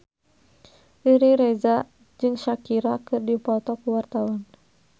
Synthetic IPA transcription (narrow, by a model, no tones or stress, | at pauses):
ʔiɾiɾɛza | d͡ʒɨŋʃakiɾakɨrdipɔt̪ɔkuwart̪awɔn